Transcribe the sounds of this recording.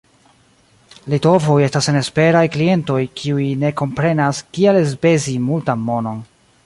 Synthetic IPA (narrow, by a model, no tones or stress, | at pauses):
lito̞vo̞je̞stasene̞spe̞ɾajklie̞nto̞jkʰiujne̞ko̞mpɾe̞naskielezbe̞zimultamːo̞no̞n